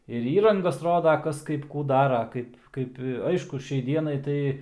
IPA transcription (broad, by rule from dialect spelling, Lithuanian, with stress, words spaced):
ɪr ˈiːrɐŋɡɐs ˈroːdɐ ˈkɐs ˈkɐɪp ˈkuː ˈdɑːrɐ ˈkɐɪp ˈkɐɪp ˈɐɪʃkʊ ˈʃʲɛɪ ˈdʲiɛnɐɪ tɐɪ